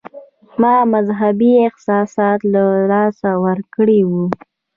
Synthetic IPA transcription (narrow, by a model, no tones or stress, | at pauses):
mɑmazɦabiɪqsɑsɑt̪lalɑsawəɾkɽiwu